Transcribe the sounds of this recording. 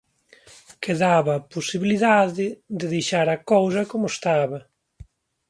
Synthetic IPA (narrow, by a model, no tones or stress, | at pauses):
keðaβɐːposiβiliðaðɪd̪ɪðejʃaɾɐkows̬ɐkomʊst̪aβɐ